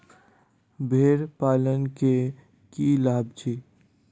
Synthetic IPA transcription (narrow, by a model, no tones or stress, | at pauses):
bʱeːɾpaːlənke | kilaːbd͡ʒiː